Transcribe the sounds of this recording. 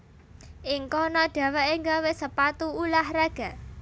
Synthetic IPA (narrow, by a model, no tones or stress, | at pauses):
ʔɪŋkɔnɔɖ̥ä̤waʔɪŋɡawesəpat̪uulahraɡ̥a̤